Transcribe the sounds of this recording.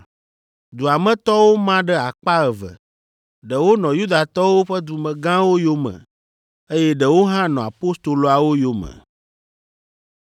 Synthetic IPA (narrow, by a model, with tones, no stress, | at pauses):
d̪u˨a˨mɛ̃˦t̪ɔ˦wo˦mã˦ɖɛ˦a˨k͡pa˦ɣə˨və̰˨ | ɖə˨wo˦nɔ̃˨ju˦d̪a˨t̪ɔ˦wo˦ɸɛ˦d̪u˨mɛ̃˨ɡã˦wo˦jo˦mɛ̰̃˨ | e˦jɛ˦ɖə˨wo˦ɦã˦nɔ̃˨a˨po˦st̪o˨lo˨˦a˨wo˦jo˨mɛ̰̃˨